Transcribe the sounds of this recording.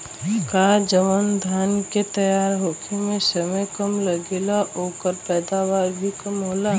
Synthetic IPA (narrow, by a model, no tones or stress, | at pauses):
kaːd͡ʒəʋənd̪ʱaːnket̪əjaːɾɦokʰimẽsəməjkəmləɡelaʔoːkəɾpɛːd̪aʋaːɾbʱikəmɦoːla